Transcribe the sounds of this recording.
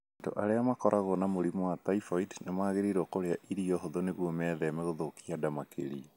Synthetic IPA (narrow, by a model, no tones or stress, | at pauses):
ando̰ʔaɾeamakɔɾʔaɣonamoɾimɔwataifoidnemaːɣeɾiɾokoɾeaʔiɾiɔɦoðoneɣwɔmɛːðɛmeɣoðokiadamakʰḛɾi